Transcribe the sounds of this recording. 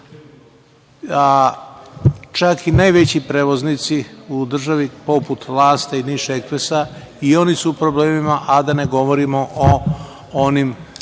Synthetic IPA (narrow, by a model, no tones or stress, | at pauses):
a | t͡ʃakinajʋet͡ɕipɾeːʋo̞znit̪siud̪r̩ʒaʋipo̞put̪ʋlˠaːst̪ainiʃekʋesa | io̞nisuːpɾo̞ble̞ːmimaʔad̪ane̞ɡo̞ʋo̞ɾimoʔo | onim